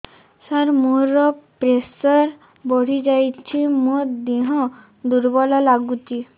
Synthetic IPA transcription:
saɾmuɾɔpɾesɔɾ | bɔɽ̤id͡ʒajt͡ʃʰimõd̪iɦɔ̃ | d̪uɾbɔlɔlaɡut͡ʃi

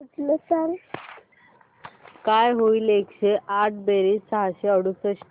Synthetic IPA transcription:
ud͡zlesaŋɡ | kajɦoilekɕeʔaʈ̚ʰbeɾisəɦaɕeəɽusəɕ

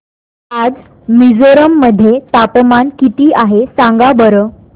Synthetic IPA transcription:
ad͡z | mid͡zoɾəmːəd̪ʱːjet̪apəmankit̪iːʔaɦesãŋɡabəɾəː

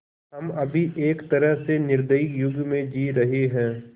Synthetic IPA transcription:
ɦɐmɐbʱiʔeːkt̪ɐɾəɦsenɪɾd̪əjɪkjʊɡmẽd͡ʒiːɾɐɦeɦɛ̃ː

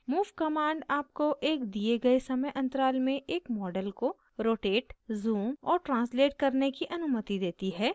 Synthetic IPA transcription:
muːʋkɐmãːɳɖaːp̚koʔeːkd̪ieɡɐesɐməjʔɐ̃nt̪əɾaːlmẽʔeːkmɔːɖəlko | ɾoːʈeːʈzuːmɔ̰ːɾʈɾãːnsleːʈ̚kɐɾnekiʔɐnʊmət̪id̪eːt̪iɦɛː

